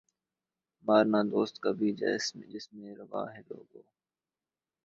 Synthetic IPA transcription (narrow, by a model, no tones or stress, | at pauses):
maːɾnaːd̪oːst̪kaːbʱiːd͡ʒa̰ɪsmd͡ʒɪsmẽːɾəʋa̰ːɦɛːlo̰ːɡoː